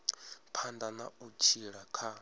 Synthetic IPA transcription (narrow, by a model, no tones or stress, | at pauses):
pʰandanaut͡ʃʰiɺakʰa